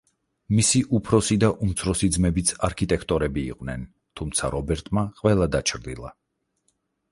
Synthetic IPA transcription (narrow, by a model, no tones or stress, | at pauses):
misiʔupʰɾɔsid̪aʔumt̪sʰɾɔsid̪zmɛbit̪sʰaɾkʰit̪ʼɛkʰt̪ʼɔɾɛbḭːqʼvnɛn | t̪ʰumt̪sʰaɾɔbɛɾt̪ʼmaqʼwvɛlˠad̪at͡ʃʰɾd̪ilˠa̰